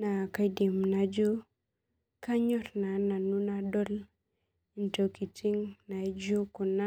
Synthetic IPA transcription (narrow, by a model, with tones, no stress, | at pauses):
na˨ka˦˨jdi˨mna˨d͡ʒo˦ | ka˦ɲo˦ɾna˨na˨nu˦na˨do˦l | i˨nto˨ki˨ti˦ŋna˨˦d͡ʒo˦ku˨na˦